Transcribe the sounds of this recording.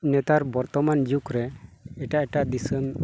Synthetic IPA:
nɛt̪aɾbɔɾt̪ɔmand͡ʒukɾɛɛʈaʔɛʈaʔd̪isən

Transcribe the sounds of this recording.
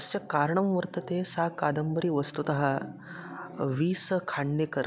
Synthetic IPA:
sjɐkaɾɳɐ̃mʋəɾt̪ɐt̪esakad̪ɐmbəɾiːʋəst̪ut̪aɦa | ʋiːsəkʰaɳɖekəɾ

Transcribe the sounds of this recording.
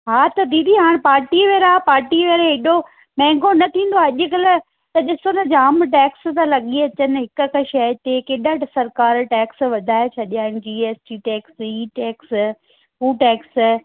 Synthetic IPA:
ɦaːt̪ɐd̪iːd̪iɦaːɽ̃paːɾʈiʋeːɾaːpaːɾʈiʋeɾeɦɪɗo | mɛ̃ːŋɡʱonɐt̪ʰĩːn̆d̪oaːɐʄʊ̆kɐlə | t̪ɐɗɪsonɐd͡ʑaːmʈ̬ɛːkst̪ɐlɐɠiɐt͡ɕənɪ̆ɦɪkkʃɐjt̪ekeɗəʈsɐɾkaːɾʈɛːksʋɐd̪ʱaːet͡ɕʰɐɗijaːɪñʊ̆d͡ʑiːeːsʈiʈɛːksiːʈɛːks | ɦuːʈɛːks

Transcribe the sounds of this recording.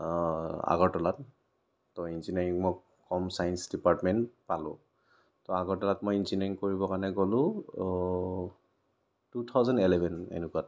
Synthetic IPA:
a̰ɡɔɹtɔlatː | ɔinsinɛɹiŋmɔ | kɔmsajɛnsdipaɹtmɛntpalʊ̰̃ | tɔaɡɔɹtɔlatmojinsinɛɹiŋkoɹibɔkanɛɡɔlʊ̃ | tutʰawzɛndilɛbʱɛnḛnukuat

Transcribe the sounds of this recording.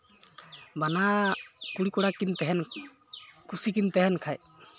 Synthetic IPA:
banakuɽikɔɽakint̪ɛɦɛn | kusikint̪ɛɦɛnkʰaj

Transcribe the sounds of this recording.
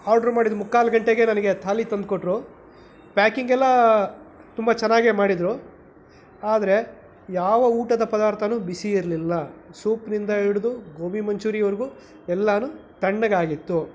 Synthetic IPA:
aːɾɖɐɾmaːɽid̪umukːaːlɐɡɐɳʈeɡe̞nɐnɐɡe̞t̪ʰaːlit̪ɐnd̪̚koʈɾu | pʲaːkiŋɡɛlːɐ | t̪umbɐt͡ʃɛnːaːɡemaːɽid̪ɾu | aːd̪ɐɾe̞ | jaːʋɐuːʈɐd̪ɐpɐd̪aːɾt̪ʰɐnuːbisiːɾlilːɐsuːpnind̪ɐiɽud̪uɡoːmimɐɲt͡ʃuːɾijɐʋɐɾiɡu | ɛlːɐnut̪ɐɳːɐɡaːɡit̪ːu

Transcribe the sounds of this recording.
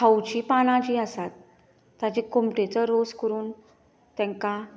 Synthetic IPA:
kʰawt͡ɕiːpanãt͡ɕiːəsat̪ː | jat͡ɕikomʈet͡səɾoskəɾuːn | t̪ɛ̃ŋka

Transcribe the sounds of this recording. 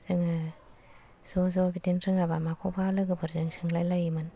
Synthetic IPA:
sɯŋɯ | sozɔbitinɾɯŋabamakʰɔbalɯɡɯbɯɾzɯŋsɯŋlajlajimɯn

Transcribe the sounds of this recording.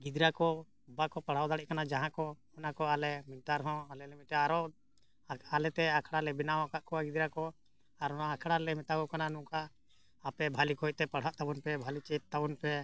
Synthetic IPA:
ɡid̪ɾakɔ | ubakɔpaɽ̤awd̪aɽiɛʔkanad͡ʒaɦãkɔ | ɔnakɔalɛmit̪aɾɦɔ̃alɛlɛmitaaɾɔ | alɛt̪ɛakʰɽalɛbinaɦɔ̃kaʔkɔwaɡid̪ɾakɔ | aɾɔnaːkʰɽalɛmɛt̪akɔkananũʔkaː | pɛbʱalikɔɔj̚t̪ɛpaɽ̤aʔt̪abɔnpɛbʱalit͡ʃɛt̪̚t̪ːabɔnpɛ

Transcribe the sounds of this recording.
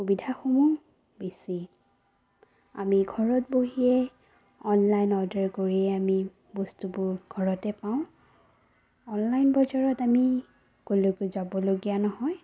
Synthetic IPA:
xubidʱaxomu | besi | a̰miɡʱɔɹɔt̚boɦiɛ | ɔnlajnɔdɛɹkoɹiɛami | bɔstubʊɹɡʱɔɹɔtɛpaʊ̃ | ɔnlajnbɔzɔɹɔtami | kolokozabɔloɡijanɔɦɔj

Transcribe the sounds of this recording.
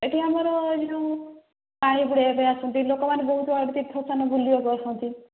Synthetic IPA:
eʈiamaɾɔd͡ʒeũ | paɽ̃ĩbuɽepejasɔnt̪ilokɔmanebɔɦut̪ɔbaɭɽit̪ipʰɔsanɔbulijoɡɔɾsʰɔnt̪i

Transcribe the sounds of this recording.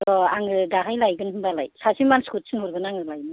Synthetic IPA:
tɔaŋɯdaɦajlajɡɯnhɯmbalajsasimanskut̚sʰɯnhuɾɡɯnaŋɯlajnɯ

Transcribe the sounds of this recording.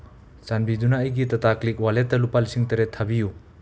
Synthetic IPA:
sanbidunaːjɡitataklik̚waletːɐlupalisiŋtɐɾetʰːabiju

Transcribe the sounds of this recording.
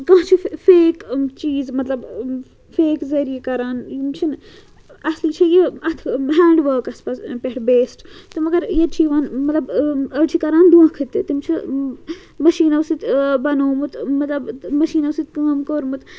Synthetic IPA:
kãːt͡ʃʰifeːkt͡ʃiːzmɐt̪lɐb | feːkzɐɾijekɐɾaːnjimt͡ʃʰin | ɐsliːt͡ʃʰɐjeɐt̪ʰɦaːɳɖʋəːkɐspɐspeɦʈbeːsʈt̪ɨmɐɡɐɾjɐt͡ʃʰiʋaːnmɐt̪lɐbɐɾt͡ʃʰikɐɾaːnd̪uãːkʰɨt̪it̪imt͡ʃʰi | mɐʃiːnɐʋsit̪bɐnoːmut̪mɐt̪lɐbmɐʃiːnɐʋsit̪̚ʲkaːmkoːɾmut̪

